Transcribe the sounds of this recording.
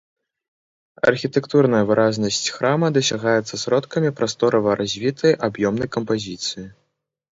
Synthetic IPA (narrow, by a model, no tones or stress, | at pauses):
ɐ̰rxʲit̪ɛkt̪urnɐjɐvɨɾʔazʲnɐsʲt͡sʲxɾamɐd̪ɐsʲaɣajɛt̪sːɐsɾɔt̪kɐmʲipɾast̪ɔɾɐvɐɾʔazʲvʲit̪ʰɐjʔabjɔmnɐjkɐmpazʲit̪sɨji